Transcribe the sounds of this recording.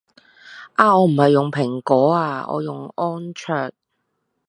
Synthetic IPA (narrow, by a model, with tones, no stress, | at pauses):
ʔaː˧ɔː˨˧m̩˨˩hɐ˨jːʊ˨ŋpʰɪ˨˩ŋkɔː˨˥aː˧ɔ̰ː˨˧jʊ˨ŋɔː˥nt͡ʃʰœː˨˩t̚